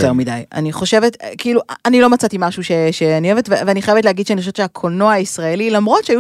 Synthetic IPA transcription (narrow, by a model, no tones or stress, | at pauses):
t̪eʁmidaja̰niχo̞ʃe̞vetkiiːluʔanilo̞mat͡sat̪imaʃuʃeʃeanioevetveveaniχajevet̬leaɡid̪ʃeaniχoʃevtt͡ʃʃeakʰonoaisʁaelilamʁo̞tʃeaju